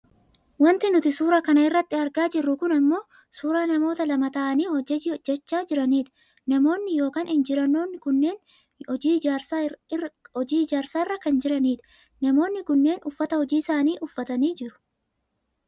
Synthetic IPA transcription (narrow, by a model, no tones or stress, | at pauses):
wɐnt̪ɪnʊt̪ɪsuːɾakɐnɐɪrːɐt̪ːɪɐɾɡaːd͡ʒɪrːʊkʊnɐmːo̞ː | suːɾaːnɐmo̞ːt̪ɐlɐmɐt̪ɐʔɐniːɔɛd͡ʒɛt͡ʃːaːd͡ʒɪɾɐniːᶑ̪ | nɐmo̞ːnːɪjo̞ːkaːnhɪnd͡ʒɪɾɐnːoːnːɪkʊnːe̞ːn | ɔd͡ʒiːɾ | ɔd͡ʒiːɪd͡ʒaːɾsaːɪrːɐkɐnd͡ʒɪɾɐniːɪ̥ | nɐmo̞ːnːɪkʊnːe̞ːnʔʊfːɐt̪ɐhɔd͡ʒiːɪsaːniːʔʊfːɐt̪ɐniːd͡ʒɪɾʊ̥